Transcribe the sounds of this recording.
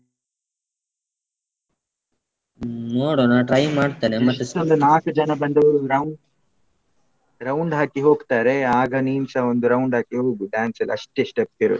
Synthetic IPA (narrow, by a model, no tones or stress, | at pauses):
noːɽoːnaʈɾɐjmaːɽt̪enemɐt̪ːuond̪unaːkud͡ʒɐnɐbɐnd̪ɐʋɐɾuɾɐwɳɖ | ɾɐwɳɖɦaːkiɦo̞ːɡt̪aːɾeaːɡɐniːmsɐond̪uɾɐwɳɖɦaːkiɦoːɡuɖaːnsɐl̰ɐʂʈeʂʈep̚keɾo̰d̪u